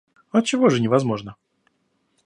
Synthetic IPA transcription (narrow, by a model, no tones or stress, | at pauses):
ɐt͡ɕɪvo̞ʐɨnʲɪvɐzmo̞ʐnə